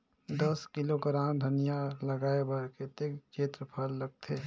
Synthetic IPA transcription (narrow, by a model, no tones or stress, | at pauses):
d̪əskɪloɡɾaːmd̪ʱənijaləɡaːebəɾket̪et͡ʃeːt̪ɾəpʰəlːəɡ̚t̪ʰe